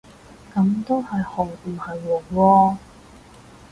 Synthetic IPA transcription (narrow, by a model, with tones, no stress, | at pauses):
kɐ˨˥mt̪o˥whɐ˨jhɔː˨˩wtuː˨˩hɐ˨jwɔː˨˩wɔː˧